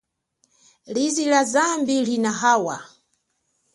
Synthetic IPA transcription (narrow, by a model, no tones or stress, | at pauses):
lizilazambilinaɦaːwa